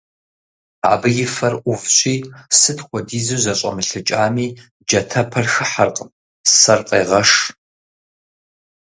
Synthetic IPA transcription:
a̰ːbɨjɪfɐrʔʷʊvɕʷʼiːsɨtʰxʷɔdiːzɨwzɐɕʼɐ̰mɨɬɨt͡ʃʼaːmiː | d͡ʒɐtʰɐpʰɐrxɨħarqʼəm | sɐrqʼḛːʁɐʂ

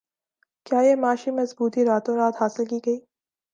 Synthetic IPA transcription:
kjaːjemaːʃimɐzbuːt̪iɾaːt̪õɾaːt̪ɦaːsɪlkiːɡɐiː

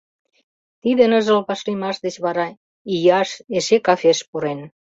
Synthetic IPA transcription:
t̪id̪enəʒəlpɑʃlimɑʃd̪et͡ɕβɑɾɑ | ijɑʃeʃekɑfeʃpuɾen

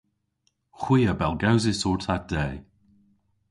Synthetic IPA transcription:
xwiːəbɛlˠɡawzɪsɔːɹtʰat̚d̪̥ɛːj

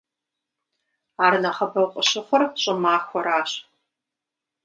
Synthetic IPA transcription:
aːrnɐχɐbɐwqʷʼəɕɪχʷɔrɕʼɪmaːxʷɔɾaːɕ

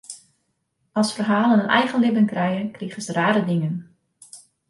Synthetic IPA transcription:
ɑlˠsfərɦaːlənənʔɛ̰jɣənlɪbənkrɛjənkriɣəsəraːɾədɪŋən

